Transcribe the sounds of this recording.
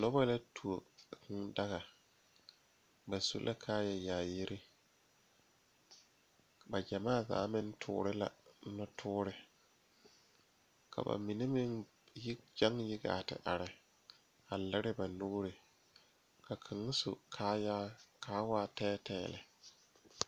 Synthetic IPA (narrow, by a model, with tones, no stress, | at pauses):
nɔ˦ba˦la˦tʰu˨o˨kɪ˦ŋda˦ɣa˨ | ba˨sṵ˦lʔa˦kʰaː˦jɛ˨jaː˨ji˦ɾɪ˦ | ba˨d͡ʒa˨maː˦˨za̰ː˨˦mɪ˦n˦tʰʊ̰ː˦ɾɪ˦la̰˨˦nɔ˦tʰʊː˦ɾɪ˨ | kʰa̰˨ba̰˨mi˨ni˦mɪ˦ŋ˦ | d͡ʒa˦ŋjɪ˦ɡa̰ː˨tɪ̰˨ʔa˨ɾɪ˨ | a˨lɪ˦ɾɪ˦ba˨nʊ˦ɡɾɪ˨ | kʰa˨kʰɪ˨ŋ˦sṵ˨kʰaː˦ja˦kʰaː˦waː˦tɛː˦tʰɛː˦˨lɪ̰˨